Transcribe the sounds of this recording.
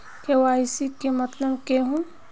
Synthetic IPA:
kewaːɪsikemɐt̪ləbkeɦũ

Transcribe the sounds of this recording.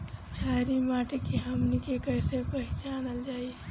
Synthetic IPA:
t͡ʃʰaːɾimaʈekiɦəmnikekəɪsepəɦɪt͡ʃaːnəld͡ʒaːie

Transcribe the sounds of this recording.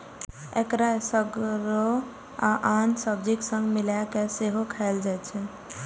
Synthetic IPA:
ekɾasəɡɾo | aʔansəb̚d͡ʒiksə̃ŋɡmilakeseɦokʰaeld͡ʒajt͡ʃʰɛ

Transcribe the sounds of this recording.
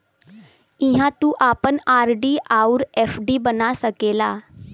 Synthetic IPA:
ɪ̃ɦãt̪uʔaːpənaːɾɖiʔauɾɛːfɖiːbənasəkeːlaː

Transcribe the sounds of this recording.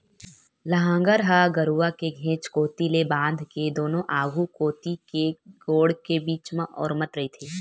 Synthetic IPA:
lɐɦãːŋɡəɾɦaɡɐɾuakeɡʱẽːt͡ʃkoːt̪ilebãːnd̪ʱked̪oːnõʔaːɡukoːt̪ikeɡoːɽkebiːt͡ʃmãʔɔ̰ːɾmɐt̪ɾɐɦit̪ʰeː

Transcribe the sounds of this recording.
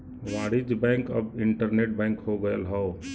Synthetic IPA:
ʋaɽid͡ʒbɛ̃ŋkəbiɳʈəɾneʈ̚bɛ̃ŋkɦoɡəəlɦəo

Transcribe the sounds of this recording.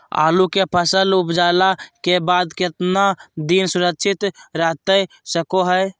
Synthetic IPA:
a̰ːlukepʰəsəlʊpd͡ʒalakebaːd̪kɪt̪nad̪iːnsʊɾəkʃʰɪt̪ɾəɦt̪əj | səkoɦəj

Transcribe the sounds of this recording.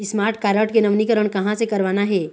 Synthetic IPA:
ɪsmaːɾʈkaːɾəʈkenɐʋnikəɾəɽ̃kɐɦãsekɐɾʋaːnaɦɛː

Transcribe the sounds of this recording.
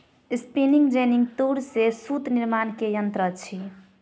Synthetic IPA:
spiniŋɡd͡ʒeniŋɡt̪uɾsesut̪niɾmankejənt̪ɾət͡ʃʰi

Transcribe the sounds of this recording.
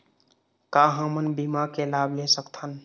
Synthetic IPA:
kaɦəmənbimakelablesəkt̪ʰən

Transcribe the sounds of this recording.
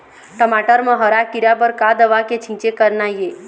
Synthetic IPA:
ʈəmaʈəɾmə̃ɦəɾakiɾabəɾkad̪əʋaket͡ʃʰĩt͡ʃekəɾnaje

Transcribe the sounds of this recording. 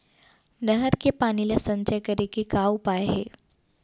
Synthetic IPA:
nəɦəɾkepaːnilasɐ̃ɲt͡ʃəjkɐɾekikaupaeɦeː

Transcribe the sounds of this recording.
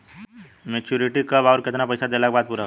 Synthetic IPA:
met͡ʃuɾiʈikəbɔːɾkɪt̪napəɪsad͡ʒ̪elak̚baːd̪̚puɾa

